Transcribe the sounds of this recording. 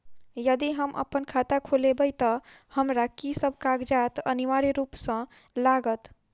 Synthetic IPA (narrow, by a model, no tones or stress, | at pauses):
jəd̪iɦəmʔə̰pənkʰat̪akʰolebət̪əhəmɾakisəb̚ʱkaɡd͡ʒat̪ə̰niʋaɾiɾupsə̃ | laɡət̪